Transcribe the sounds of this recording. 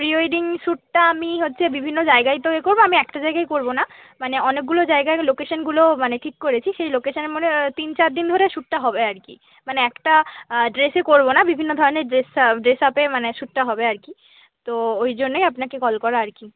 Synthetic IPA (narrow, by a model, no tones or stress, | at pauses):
pɾiojɖiŋʃuʈ̚ʈaamiɦotːɕʰebibʱinːod͡ʑaeɡajt̪oekoɾboamiɛkʈad͡ʑaeɡajkoɾbona | maneɔnek̚ɡulod͡ʑaeɡaelokeʃonɡulomaneʈʰikːoɾet͡ɕʰiʃejlokeʃoneɾmonet̪int͡ɕaɾd̪ind̪ʱoɾeʃuʈ̚ʈaɦɔbeaɾkḭ | maneɛkʈaɖɾesekoɾbonabibʱinːod̪ʱɔɾoneɖɾesɖɾesapemaneʃuʈ̚ʈaɦɔbeaɾki | t̪oojd͡ʑonːojapnakekɔlkɔɾaaɾki